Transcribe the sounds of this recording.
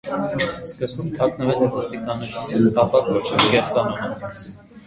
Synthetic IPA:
skəzbumt̪ʰɑknəvɛt͡sɛvəst̪ikɑnut͡sʰjunit͡sk̪ɑpɑkvɔt͡ʃʰɔvikɛχt͡sɑnɔmɛ

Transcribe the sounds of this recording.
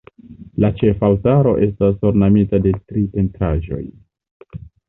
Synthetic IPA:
lat͡ʃe̞faltaɾo̞ʔe̞s̬tas̬hoɾnamitade̞tɾipe̞ntʰaʒo̞̰j

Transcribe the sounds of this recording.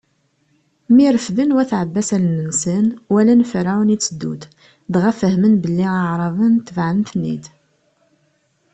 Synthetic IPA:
miɾəfðənwæθʕəbːæsælnənsənwælænfɾawnit͡sːəd̪ːṵt̪ | d̪ʁæfəhmənbəlːiəʕɾˤɑðˤənt̪ːvʕəənθnːḭd̪

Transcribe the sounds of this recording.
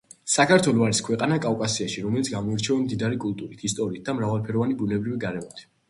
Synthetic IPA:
sakʰaɾt̪ʰwɛlɔaɾiskʰwɛqʼanakʼafkʼasiaʃiɾɔmɛlit̪sɡamɔiɾt͡ʃʰɛvamd̪id̪aɾikʼult̪ʼuɾit̪ʰist̪ʼɔɾiːt̪̚d̪̥amɾavalˠpʰɛɾɔvanibunɛbɾiviɡaɾɛmɔt̪ʰ

